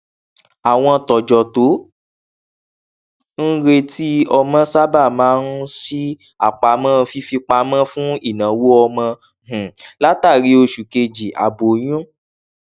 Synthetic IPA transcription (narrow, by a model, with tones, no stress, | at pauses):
a˨w̃ɔ̃˧tɔ˨d͡ʒɔ˨to˨˦ | n̩˦ɾe˦ti˦ɔ˧mã˦sa˦ba˦˨mãː˨˦n̩˦si˦ | a̰˦˨k͡pa˨mã˦˧fi˧fi˧k͡pa˧˦mã˦fũ˦i˦˨nã˨wo˦ɔ˧mã˧˨ | la˦ta˦˨ɾi˧˦o˧ʃu˨ke˧d͡ʒi˨ʔa̰˨bo˨ɲũ˦